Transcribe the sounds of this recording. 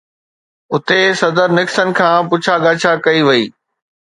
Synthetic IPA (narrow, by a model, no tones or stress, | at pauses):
ʊt̪esɐd̪əɾnɪksənɪ̆kʰãːpʊt͡ɕʰaɠaːt͡ɕʰakɐiʋɐiː